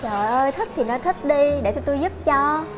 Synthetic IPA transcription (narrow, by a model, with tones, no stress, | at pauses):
t͡ɕəː˨˩jʔəː˧jt̪ʰi˦˥k̚t̪ʰi˨˩nɔ˨˦jt̪ʰi˦˥k̚ɗi˧ɗe˧˩t͡ɕ̪t̪u˧jzu˦˥p̚t͡ɕɔ˧